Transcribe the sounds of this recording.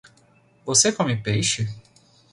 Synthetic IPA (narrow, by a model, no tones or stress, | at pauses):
vosekɔ̃mɪpejʃɪ